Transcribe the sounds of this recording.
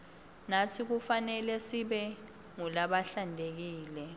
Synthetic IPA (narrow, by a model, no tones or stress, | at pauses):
natʰik̬ufanɛlɛsiɓɛ | ŋulaɓaɬandʱek̬iːlɛ